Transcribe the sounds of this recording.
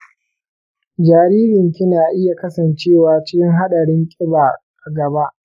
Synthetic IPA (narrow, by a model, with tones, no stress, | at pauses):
d͡ʒaː˨ɾiː˦ɾɪ˨ŋkʲɪ˦naː˨ʔɪ˦ja˨kɐ˦sɐ˨nt͡ʃeː˦˨waː˨t͡ʃɪ˦kʲɪ˦ŋɦa˦ɗɐ˨ɽɪ˦ŋkʲʼɪ˦baː˨ | a˨ɡɐ˨ba˦ʔ